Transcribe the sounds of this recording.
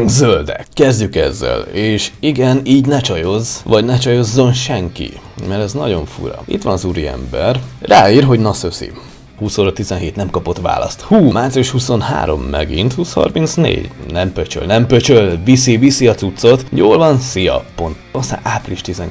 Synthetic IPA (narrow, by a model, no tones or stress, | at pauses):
zøld̪ɛ̰kːɛzɟykɛ̰zːɛ̰leːʃiɡɛniːɟnɛt͡ʃɒjo̞zʋɒɟnɛt͡ʃɒjo̞zːo̞nʃɛŋkḭmɛɾɛznɒɟo̞ɱfṵɾɒ̰ḭt̪ʋɒnɒzuɾiɛ̰mbɛrraːiːrɦo̞ɟnɒsøsḭ | huːsoːɾot̪ːizɛnɦeːt̪nɛmkɒpo̞t̪ʋa̰ːlɒ̰st̪huːmaːt̪sijuʃhuso̞nha̰ːɾo̞̰mːɛɡint̪huːshɒ̰rmint̪snḛːɟnɛmpøt͡ʃø̰lnɛmpøt͡ʃølvisivisiɒt̪sut̪so̞t̪joːlvɒnsijɒ̰po̞nt̪ost̪a̰ːnʔapriiʃt̪izɛŋ